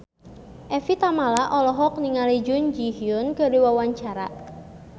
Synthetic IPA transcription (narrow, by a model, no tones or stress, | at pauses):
ʔɛfit̪amalaʔɔlɔɦɔk̚niŋalid͡ʒʊnd͡ʒiɦiʊnkəɾiwawaɲt͡ʃaɾa̰